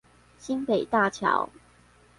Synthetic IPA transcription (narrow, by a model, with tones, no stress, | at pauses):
ɕi˦npe˨˩ɪt̪a˥˨t͡ɕʰjɑ̰˧˥˦ʊ